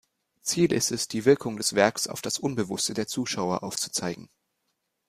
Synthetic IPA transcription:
t͡siːlɪstɛsd̥iːvɪɐkʰʊŋdɛsv̥ɛɐksaʊfd̥asʔʊnbəvʊstədeːɐt͡suːʃaʊɐʔaʊft͡su̥t͡saɪɡŋ̩

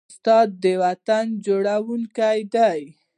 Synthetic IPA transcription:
st̪ɑd̪̚ːəwat̪and͡ʒoɽawuŋkajd̪aj

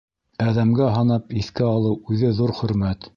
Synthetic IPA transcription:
æðæmɡæɦɑnɑpiθkɘɑlˠɤwʉðɘðuɾχɵ̆ɾmæt̪

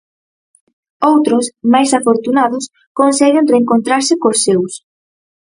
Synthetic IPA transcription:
owt̪ɾʊsmajsafoɾt̪unaðʊs | konsɛɣɪnreŋkont̪ɾaɾsɪkosːews

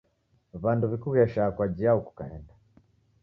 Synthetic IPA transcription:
βanduβikuɣɛʃakwad͡ʒiauku̥kahɛnda

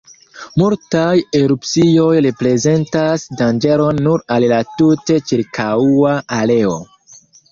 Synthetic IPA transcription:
multaje̞ɾupt͡sio̞jɾepɾe̞ze̞ntasdand͡ʒe̞ɾo̞nːuɾallatute̞t͡ʃiɾkʰauaale̞o̰

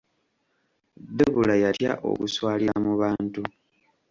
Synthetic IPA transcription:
d̪eβulajatja̰ʔo̞̰kuswaːliɾamuβaːntu

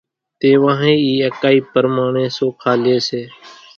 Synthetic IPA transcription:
t̪eːʋãːɦẽːiːəkaːiːpəɾmaːɳẽːsoːkʰaːlɪeːseː

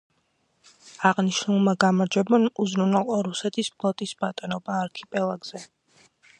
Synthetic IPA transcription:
aʁniʃnulˠmaɡamaɾd͡ʒɛbɔnuzɾunalˠqʼɔɾusɛt̪ʰispʰlˠɔt̪ʼisbat̪ʼɔnɔbaːɾkʰipʼɛlˠaɡz̥ɛ

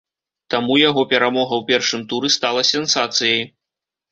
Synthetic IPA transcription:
t̪amujaɣɔpʲɛɾamɔɣɐwpʲɛrʂɨmt̪uɾɨst̪alˠɐsʲɛnsat̪sɨjɐj

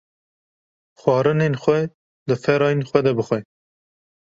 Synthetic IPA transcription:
xwɑːɾɨnenxʷɛ | d̪ɨfɛɾɑːjenxʷɛd̪ɛbɨxʷɛ

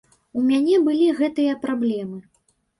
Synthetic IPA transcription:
umʲanʲɛbɨlʲiɣɛt̪ɨjɐpɾablʲɛmɨ

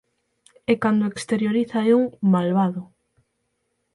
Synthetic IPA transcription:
ekand̪oekst̪eɾjoɾiθaeuŋmalβaðʊ

